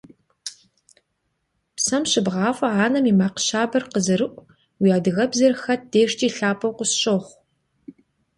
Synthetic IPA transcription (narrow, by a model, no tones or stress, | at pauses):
psɐmɕɪbʁɑːfɐaːnɐmiːmaːqə̥ɕaːbɐrqəzɨɾɨʔʷ | wiaːdɨɣɐbzɐrxɐt̚ʰd̥eːʂtʼiːɬaːpʰɐwqʷʊsɕʼoχʷ